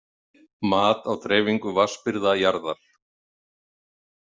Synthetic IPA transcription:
maːt̪awt̪ɾɛːviŋkʏvaspɪɾðajaɾðaɾ̥

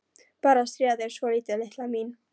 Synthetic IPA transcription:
paɾast̪ɾiaðeʃolit̪eleslamin

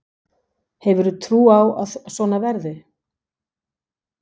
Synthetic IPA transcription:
hɛvʏɾt̪ʰɾuːawa̰ðsɔnavɛɾðɪ

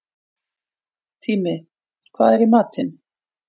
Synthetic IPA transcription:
t̪ʰiːmɪ | kʰva̰ːðɛɾimaːt̪ɪn

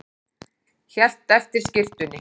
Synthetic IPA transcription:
çɛl̥t̪ɛft̪ɪɾ̥scɪft̪ʏnːɪ

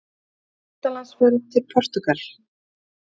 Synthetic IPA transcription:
at̪alansvœɾʏðt̪ʰɪlpʰɔr̥t̪ʏkal̥

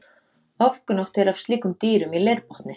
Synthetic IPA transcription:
ɔfkʏnɔwht̪ɛɾav̥st̪liːkʏmt̪iːɾʏmileɾpɔht̪nɪ

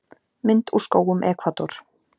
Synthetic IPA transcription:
mɪnt̪uskoːwɣʏmʔɛːkʰvat̪ɔɾ̥

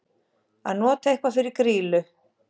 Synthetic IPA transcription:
anɔt̪ʰejhkvafɪɾɪɾkɾiːlʏ

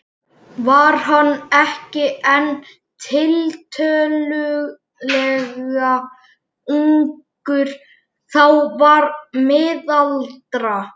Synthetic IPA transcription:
vaɾ̥ɦanːɛhcɪɛn | t̪ʰɪlt̪ʰœːlʏɣ | lɛɣɣa | uŋk | ʏɾ̥ | θawvaɾmɪːðalt̪ɾa

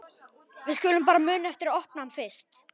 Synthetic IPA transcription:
vɪðscʏːlʏmpaːɾamʏːnaɛft̪ɪɾɔhp̚nhanfɪr̥st̪

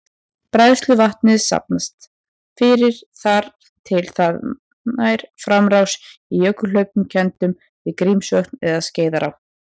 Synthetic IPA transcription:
pɾajðst̪lʏvaht̪nɪðsa̰p̚nast̪ | fɪɾɪɾ̥θaɾ | t̪ʰɪlθað | najɾ̥fɾamrawsijœkʏl̥œɥp̚ʏmcʰɛnt̪ʏm | vɪðkɾimsœknɛðasceːjðaɾa̰

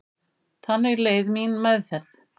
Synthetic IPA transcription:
θanːɛɾleːjðminmɛðθɛθ

